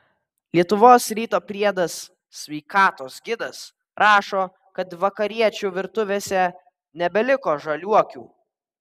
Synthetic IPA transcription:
lʲiɛt̪ʊʋoːsɾʲiːt̪oːpʲɾʲiɛd̪ɐs | sːʲʋʲɛɪkɑːt̪oːsɡʲɪd̪ɐs | ɾʔɑːʃoː | kɐt̪ʋɐkɐɾʲiɛt͡ʃʲuʋʲɪɾt̪ʊʋʲeːsʲɛ | nʲɛbʲɛlʲɪkoːʒɐlʲuɔkʲṵː

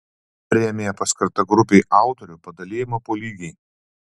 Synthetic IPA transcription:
pʲɾʲɪjɛmʲeːjɛpɐskɐɾt̪ɐɡɾʊpʲeːʔɑˑʊt̪ɔɾʲʊpɐd̪ɐlʲeːjɪmɐpoːlʲiːɡʲɛɪ

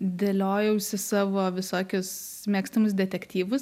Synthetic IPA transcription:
d̪ʲelʲoːjɛʊsʲɪsɑːʋoːʋʲɪsoːkʲʊs | mʲeːksʲt̪ʲɪmʊs̬d̪ʲɛt̪ʲɛkt̪ʲiːʋʊs

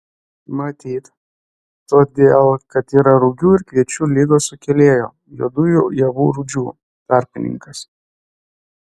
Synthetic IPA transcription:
mɐt̪ʲiːt̪ | t̪oːd̪ʲeːlˠkɐt̪iːɾɐɾʊɡʲuːɪɾkʋʲiɛt͡ʃʲuːlʲiɡoːsʊkʲɛlʲeːjo̰ː | jud̪ʊjuːjɛʋṵːɾʊd͡ʒʲuː | t̪ɑˑɾʲpʲɪnʲɪ̰ŋkɐs

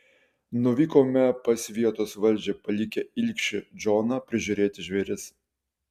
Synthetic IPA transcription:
nʊʋʲiːkoːmʲɛpɐsʲʋʲiɛt̪oːsʋɐlʲˑd͡ʒʲɛpɐlʲɪkʲɛɪlʲkʃʲɪd͡ʒoːnɑpʲɾʲɪʒʲʊɾʲeːt̪ʲɪʒʲʋʲeːɾʲɪs

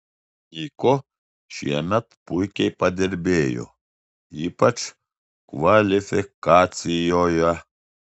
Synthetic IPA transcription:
iko | ʃiḛnɐt̪pujkʲepɐd̪eɾbeːjo̰ | ipɐt͡ʃʰ | kʋalifikaːt͡sijoja

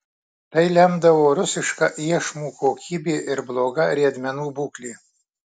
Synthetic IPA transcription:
t̪ɐɪlʲɛmd̪ɐʋoːɾʊsʲɪʃkɑʔiɛʃmuːkoːkʲiːbʲeːʔɪɾblˠoːɡɐɾʲiɛd̪ʲmʲɛnuːbuːklʲiː

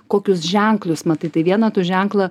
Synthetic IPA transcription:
koːkʲʊsʒʲɛŋklʲˠʊsmɐt̪ɐɪt̪ɐɪʋʲiɛnɐt̪uːʒʲɛŋklˠɐ

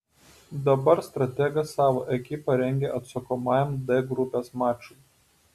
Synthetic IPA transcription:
d̪ɐbɐɾst̪ɾɐt̪ʲɛɡɐsɑːʋoːʔɛkʲɪpɐɾʲɛŋʲɡʲeːʔɐt̪sɐkomɑːjɛmd̪ɛɡɾʊpʲeːsmɑːt͡ʃʊ

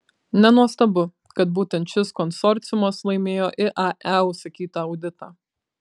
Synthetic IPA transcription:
nʲɛnuɔst̪ɐbʊ | kɐt̪̚buːt̪ʲɛnt̪ʃʲɪskɔnsɔɾʲt̪sʲɪjʊmɐslˠɐɪmʲeːjoːʔɪʔɑʔɛʊsɐkʲiːt̪ɐɐʊd̪ʲɪt̪ɑː

